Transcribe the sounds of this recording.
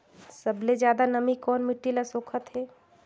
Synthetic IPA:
sɐbled͡ʒjaːd̪anɐmikɔːnmɪʈːilasoːkʰət̪ɦɛː

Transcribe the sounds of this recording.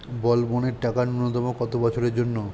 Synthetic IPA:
bɔlboneɾʈakanunot̪ɔmokɔt̪obɔt͡ɕʰoɾeɾd͡ʑonːo

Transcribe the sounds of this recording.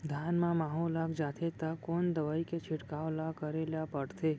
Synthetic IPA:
d̪ʱjanmãmaɦolaɡd͡ʒat̪ʰet̪akond̪əʋaiket͡ʃʰɪʈkaʋlakəɾeljapəɽt̪ʰe

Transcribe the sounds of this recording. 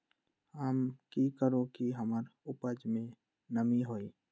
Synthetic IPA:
ɦəmkikəɾokiɦəməɾʊpəd͡ʒmẽ | nəmiɦoːi

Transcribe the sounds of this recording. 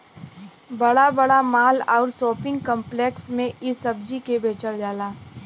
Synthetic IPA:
bɐɽabəɽamaːlɔːɾsoːpɪ̃ŋɡkə̃mpleːksmẽʔɪsːɐbd͡ʒikebeːt͡ʃəld͡ʒaːlaː

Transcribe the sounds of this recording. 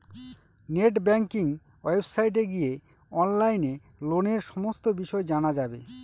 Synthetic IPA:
neʈ̬bɛŋkiŋ | ejbsajʈ̬eɡije | ɔnlajne | loneɾʃɔmost̪obiʃɔed͡ʑanad͡ʑabḛ

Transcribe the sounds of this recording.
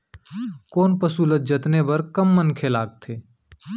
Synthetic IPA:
koːnpəsuːlət̪̚d͡ʒət̪nebɐɾkəmːənkʰelaːɡ̚t̪ʰeː

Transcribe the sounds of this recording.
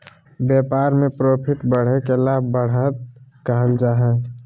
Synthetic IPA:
bjepaɾmepɾopʰiʈbəɽ̤ekelabbəɽ̤ət̪kaɦəld͡ʒaɦɛ

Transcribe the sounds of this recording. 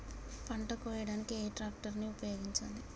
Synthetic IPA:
pɐɳʈɐkɔːjɐɽaːnikieːʈɾaːk̚ʈɐɾniupɐjoːɡiɲt͡ʃɐ̰nd̪i

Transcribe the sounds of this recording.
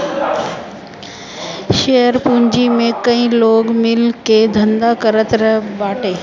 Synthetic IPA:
ʃeɦəɾpũːɲd͡ʑimẽkɐ̃ĩloːɡmɪlked̪ʱɐ̃nd̪akɐɾət̪ɾɐɦbaːʈʰeː

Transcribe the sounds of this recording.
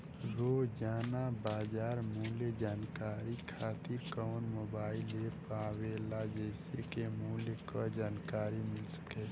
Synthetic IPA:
ɾoːd͡ʒaːnabaːd͡ʒaːɾmuːled͡ʒaːnkaːɾikʰaːt̪ɪɾkɔːnmoːbaːɪlepaːwelad͡ʒeːsekemuːlekod͡ʒaːnkaːɾimɪlsə̥keː

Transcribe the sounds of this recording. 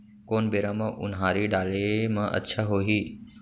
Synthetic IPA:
koːnbeːɾaːmɐ̃ʔʊ̰nɦaːɾiɖaːlemãʔə̰tːʃʰaɦoːɦiː

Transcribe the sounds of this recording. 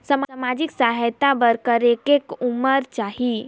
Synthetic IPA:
səməmad͡ʒiksaɦəjt̪abəɾkəɾekekuməɾt͡ʃaɦi

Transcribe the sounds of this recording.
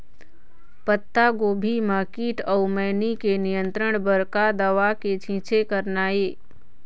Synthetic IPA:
pət̪ːaɡoːbʱimakiːʈəʊmɛːnikenijə̃nt̪ɾəɽ̃bəɾkad̪əʋaket͡ʃʰĩːt͡ʃʰekəɾnaːeː

